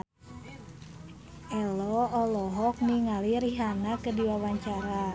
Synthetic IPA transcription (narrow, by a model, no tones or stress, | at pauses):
ʔɛlɔɔlɔɦɔk̚niŋaliɾiɦanakədiwawaɲt͡ʃaɾa